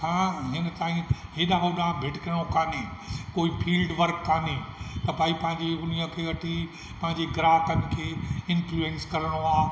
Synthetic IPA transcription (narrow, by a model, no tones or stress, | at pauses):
kʰãːɦɪnət̪aːĩɦeːɗaːɦoɗãːbʱɪʈkɐɾəɽ̃okaːnẽkoːipʰiːlɖʋɐɾkːaːnẽt̪ɐbʱaːipɐ̃ɦɪ̃ɲd͡ʑeʊniə̃kʰeːʋɐʈʰi | pɐ̃ɦɪ̃ɲd͡ʑeɡɾaːkənɪ̆kʰeːɪ̃nfluẽnskɐɾəɽ̃oaː